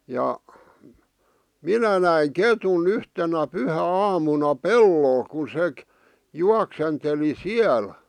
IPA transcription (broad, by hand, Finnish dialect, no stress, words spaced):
jɑ minæ næi ketun yhtenæ pyhæɑːmunɑ pelːol kun sek juɑksenteli siæl